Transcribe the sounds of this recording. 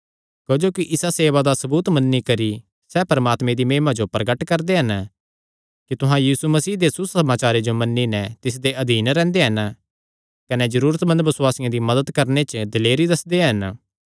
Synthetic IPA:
d͡ʒoːd͡ʒoːkiʔɪsaseːʋad̪asɐbuːt̪mɐnːikɐɾi | sɛːpɐɾəmaːt̪mẽd̪imẽːmad͡ʒopɾɐɡəʈkɐɾd̪eɦɐn | kit̪ʊɦãjiːsumɐsiːɦd̪esusɐmaːt͡ʃaːɾed͡ʒomɐnːinɛ̃t̪ɪs̬d̪eʔɐd̪iːnɾɛ̃ːnd̪eɦɐn | kɐned͡ʒɐɾuːɾət̪mɐ̃nd̪ʋɐswaːsɪjãd̪imɐd̪əd̪kɐɾnet͡ʃd̪ɐleːɾid̪ɐsd̪eɦɐn

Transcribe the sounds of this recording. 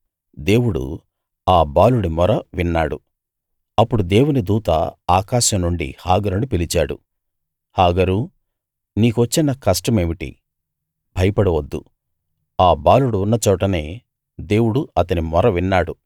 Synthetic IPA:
d̪e̞ːwuɽṵ | aːbaːluɽimɔɾɐʋinːaːɽṵ | ɐpːuɽud̪e̞ːwunid̪uːt̪ɐ̰aːkaːʃɐmnuɳɖḭhaːɡɐɾunipilit͡ʃaːɽṵ | haːɡɐɾu | niːkuʋɐt͡ʃːinɐkɐsʈɐme̞ːʋiʈḭ | bʱɐjɐpɐɽɐʋɐd̪ːṵ | aːbaːluɽiunːɐt͡ʃɔːʈɐne̞ː | d̪e̞ːwuɽuɐt̪ɐnimɔɾɐʋinːaːɽu

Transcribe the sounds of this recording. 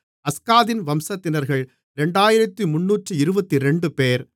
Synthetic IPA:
ɐskaːðɪnʋɐmsɐt̪ːɪnɐɾɣɐɭ | ɾɛɳɖaːjɪɾɐt̪ːimʊnːuːʈrɯɪɾɯbɐt̪ːiɾɛɳɖɯpeːɾ

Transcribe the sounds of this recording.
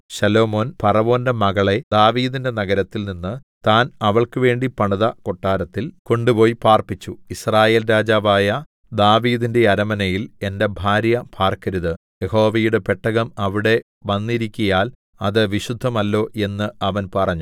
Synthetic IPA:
ɕɐlo̞ːmo̞ːnpɐrɐʋo̞ːndɐmɐɣɐɭe̞d̪aːʋiːðinde̞nɐɣɐɾɐt̪ːilninːɨt̪aːnɐʋɐɭkɨʋe̞ːɳɖipɐɳɐðɐko̞ʈːaːɾɐt̪ːilko̞ɳɖupo̞ːjpaːrpit͡ɕːuisraːje̞ːlɾaːd͡ʑaːʋaːjɐ | d̪aːʋiːðinde̞ɐɾɐmɐnɐjile̞nde̞bʱaːɾjɐpʰaːrkɐɾuðɨ | jeho̞ːʋɐjuɽe̞pe̞ʈːɐɣɐmɐʋiɽe̞ | ʋɐnːiɾikʲːujaːl | ɐðɨʋiɕud̪ʱːɐmɐlːo̞ːʔe̞nːɨʔɐʋɐnpɐrɐɲːu

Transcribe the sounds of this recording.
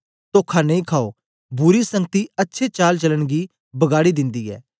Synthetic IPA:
t̪oːkʰanɐ̃ĩkʰaːo | bʊɾisə̃ŋɡ̚t̪iətːʃʰet͡ʃaːlt͡ʃələɽ̃ɡiː | bəɡaːɽid̪ɪ̃nd̪iːɛ̰ː

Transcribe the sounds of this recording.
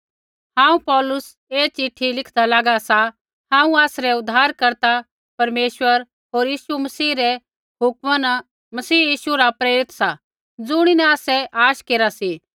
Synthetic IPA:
hãːũpɔːlʊs | eːt͡ʃɪʈʰːilɪkʰd̪alaːɡasa | ɦãːũaːsɾɛʊd̪ʱːaːɾkɐɾt̪a | pɐɾmeːʃʋəɾ | ɦoːɾjiːʃumɐsiːɾɛ | ɦʊkmana | mɐsiːjiːʃuɾapɾeːɾɪt̪sa | d͡zʊɽ̃inɛaːsɛʔaːʃkeːɾasi

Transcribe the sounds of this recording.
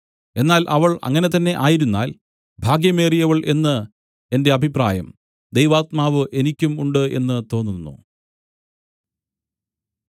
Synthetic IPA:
e̞nːaːlʔɐʋɐɭɐ̰ŋːɐne̞t̪ɐnːe̞ʔaːjiɾunːa̰ːl | bʱaːɡjɐme̞ːrijɐʋɐɭʔe̞nːɨ | e̞nde̞ɐbʱipra̰ːjɐm | d̪ejʋaːt̪maːʋɨʔe̞nikʲːumuɳɖɨe̞̰nːɨt̪o̞ːnːunːṵ

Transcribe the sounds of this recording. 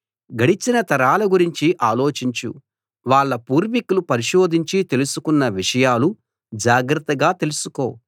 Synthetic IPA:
ɡɐɽit͡ʃinɐt̪ɐɾaːlɐɡuɾiɲt͡ʃiʔaːlo̞ːt͡ʃiɲt͡ʃṵ | ʋaːɭːɐpuːɾʋikulupɐɾiʃoːd̪ʱiɲt͡ʃit̪e̞lusukunːɐʋiʂɐjaːlu | d͡ʒaːɡɾɐt̪ːɐɡaːt̪e̞lusuko̞̰ː

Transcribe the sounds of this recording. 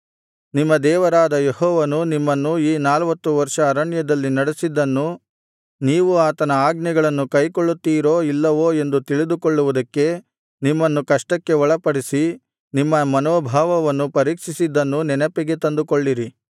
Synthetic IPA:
nimːɐd̪ɛːʋɐɾaːd̪ɐjehɔːʋɐnunimːɐnːuiːnaːlʋɐt̪ːuʋɐɾʂɐːɾɐɳjɐd̪ɐlːinɐɽesid̪ːɐnːu | niːʋuaːt̪ɐnɐaːɡnɛɡɐɭɐnːukɐjkoɭːut̪ːiːɾo̞ːilːɐʋo̞ːe̞nd̪ut̪iɭid̪ukoɭːuʋud̪ɐkːe̞ | nimːɐnːukɐʂʈɐkːe̞ʋɔɭɐpɐɽisi | nimːɐmɐnoːbʱaːʋɐʋɐnːupɐɾiːkʂisid̪ːɐnːunɛnɐpɛɡe̞t̪ɐnd̪ukoɭːiɾi

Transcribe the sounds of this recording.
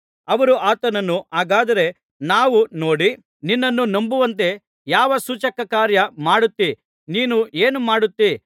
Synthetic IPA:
ɐʋɐɾuʔaːt̪ɐnɐnːuaːɡaːd̪ɐɾe̞ | naːʋuno̞ːɽi | ninːɐnːunɐmbuʋɐnt̪̬e̞ | jaːʋɐsuːt͡ʃɐkɐkaːɾjɐmaːɽut̪ːi | niːnue̞ːnumaːɽut̪ːi

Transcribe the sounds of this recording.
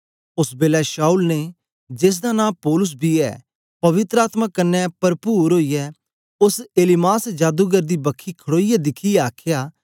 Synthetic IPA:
ʊsbeːlɛʃaːulne | d͡ʒɪs̬d̪anãːpoːlʊs̬bʱiɛ̰ | pɐʋɪt̪ɾəaːt̪mãːkɐnːɛpɐɾpuːɾɦoːijɛː | ʊseːlɪmaːsd͡ʒaːd̪uɡəɾd̪iːbɐkʰːikʰəɽoːijɛd̪ɪkʰiɛaːkʰjaː

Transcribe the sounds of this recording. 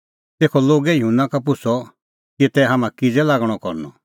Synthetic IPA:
t̪eːkʰɔloːɡɛjɦũnãkapʊsʰɔ | kit̪ɛɦamãkid͡zɛlaːɡɽ̃ɔkɔɾnɔ̰

